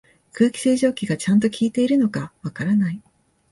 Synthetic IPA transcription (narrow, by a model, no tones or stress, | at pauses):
kɯ̟ːkʲi̥sɨːʑo̞ːkʲiɡat͡ɕãnt̪o̞kʲiːt̪e̞iɾɯ̟no̞kaβakaɾanai